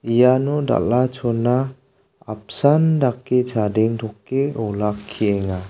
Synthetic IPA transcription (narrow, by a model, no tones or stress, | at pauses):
ijanuda̰lat͡ʃʰɔnːa | ap̚sandakːet͡ʃʰadeŋdʰɔkːeɔlakʰːieŋa